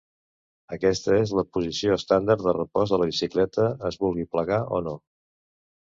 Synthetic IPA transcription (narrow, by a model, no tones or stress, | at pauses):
əkɛst̪əezləpuzisioəst̪and̪əɾd̪ərəpɔzðələβisiklɛt̪əːzβulˠɣipləɣaʔɔ̰no